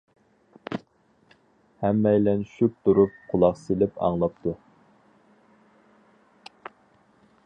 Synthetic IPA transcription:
hɛmːɛjlɛnʃyp̚t̪ʰuɾup̚qʰʊlˠɑqsɪlɪpɑ̰ŋlˠɑp̚t̪ʰu

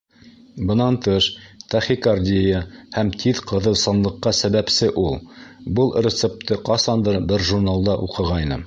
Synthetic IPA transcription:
bɤ̆nɑnt̪ɤʃt̪æχikɑrd̪ʲiəhæmt̪ʰiðqʰɤ̆ðɤ̆lˠsɑnlˠɤ̆qːɑsæβæpsɘʔulˠbɤlˠɾʲɪt̪sep̚t̪ɤqɑsɑnd̪ɤɾbɘɾʒurnalˠd̪ɑʔuqɤ̆ʁɑjnɤ

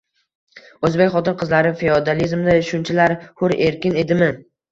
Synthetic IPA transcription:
ɵzbekʲχɒt̪ɪɾqʰɨzlaɾɪfeod̪alizmd̪aʃʊnt͡ʃʰalaɾhʊɾeɾkʲɪne̞d̪ɪmɪ

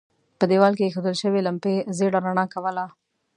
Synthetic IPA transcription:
pəd̪ewɑlkeːxod̪əlʃəwelampezeɽaɾaɳɑkawəla

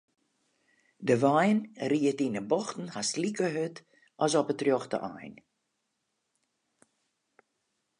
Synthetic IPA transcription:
dəʋajnriətinəbɔxtn̩haslikəɦøt | ʔɔsɔpətrjɔxtə̰ʔa̰jn

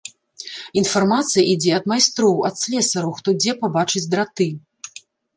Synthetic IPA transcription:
infarmat̪sɨjɐʔid͡zʲɛɐd̪majst̪ɾɔwɐt̪sʲlʲɛsɐɾɐwxt̪ɔd͡zʲɛpabat͡ʂɨd͡zʲd̪ɾat̪ɨ

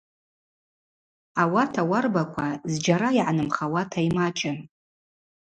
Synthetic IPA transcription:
awatʰawarbakʷʰazd͡ʒaɾaiʕanɨmχawatʰajmat͡ʃʰʼɪ

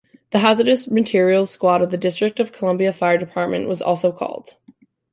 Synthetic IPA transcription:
ðɨɦæzə˞ɾɨsmɨtʰɪɹil̩ˠskwɑɾʌvðɨdɪstɹ̥ɨk̚tʌv̥kʰəlʌ̃mbiɨfaɪə˞dɨpʰɑɹt̚mɨ̃nʔwʌzɔ̰lˠsoʊkʰɔ̰lˠd̥

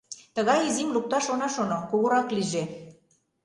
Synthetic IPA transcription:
t̪ə̆ɣɑjizimluk̚t̪ɑʃonɑʃonokuɣoɾɑkliʒe

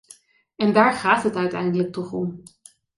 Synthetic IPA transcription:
ɛndaːɹχaːtɦətœɥtɛ̰jndələk̚tɔχɔm

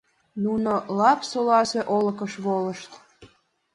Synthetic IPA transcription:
nunolɑpsolɑseʔolə̆kəʃβoləʃt̪

